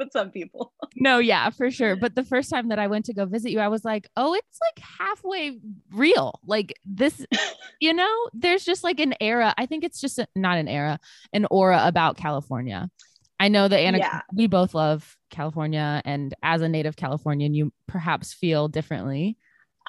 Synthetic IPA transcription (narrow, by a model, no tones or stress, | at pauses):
wɨð̥sʌ̃mpipl̩ˠnoʊjæ̰fə˞ʃʊɹbʌt̪̚ðɨfɜ˞stʰãɪ̃mðɨɾaɪwɛ̃ntʰɨɡoʊvɪzɨt͡ʃɨaɪwʌzlaɪkoʊɪtslaɪkhæfweɪɹilˠlaɪkðɪsjɨnoʊðə˞zd͡ʒʌst̚ˡlaɪk̬ɨ̃nɛɹɨʔaɪθɪ̃ŋkɨtsd̥ʒ̥ʌstɨnəɾɨ̃nɛɹə | ʔɨ̃nʔɔɹəʔəbaʊt̚kʰælˠəfɔ̰ɹnjɨ̰ | aɪnoʊðɨæ̃ñɨwiboʊθlʌv̥ | kʰælˠəfɔɹnjɨɨ̃nɨzɨneɪɾɨv̥kʰæ̰lˠəfɔɹnjɨ̃njɨpʰə˞ɦæpsfilˠdɪfɹɨ̰̃nʔli